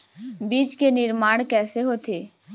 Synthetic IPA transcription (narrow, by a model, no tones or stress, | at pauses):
biːd͡ʒkenɪɾmaːɽ̃kɛːseɦot̪eː